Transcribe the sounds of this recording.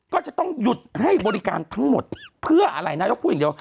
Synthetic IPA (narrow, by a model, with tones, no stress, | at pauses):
kɔː˥˩t͡ɕa˨˩ʔt̪ɔ˥˩ŋju˨˩t̪̚ha˥˩jbɔː˧ɾi˦˧ka̰ː˧nt̪ʰa˦˥ŋmo̰˨˩t̪̚pʰɯ˥˩ɐʔa˧ɾa˧jnaː˥˩jo˦˥puː˥˩jdi˧əw